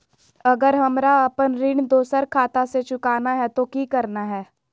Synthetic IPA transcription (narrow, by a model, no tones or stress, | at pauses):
ɐɡəɾɦɐmɾaɐpənɾɪɳd̪oːsəɾkʰaːt̪aset͡ʃʊkaːnaɦɛt̪okikɐɾnaɦɛː